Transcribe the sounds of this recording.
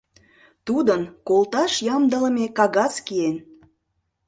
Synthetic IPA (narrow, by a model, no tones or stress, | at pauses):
t̪ud̪ənkolt̪ɑʃjɑmd̪ələmekɑɣɑskien